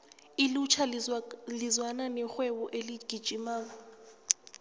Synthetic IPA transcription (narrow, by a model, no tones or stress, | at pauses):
ilut͡ʃʰalɪzwananɛxwɛwɔʔeliɡ̥ʱid̥ʒ̥ʱʼimaːŋ̬ɔ